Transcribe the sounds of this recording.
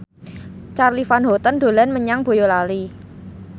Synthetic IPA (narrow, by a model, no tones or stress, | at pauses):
t͡ʃarlifanɦot̪ənd̪̥o̤lanməɲaŋb̥o̤jolali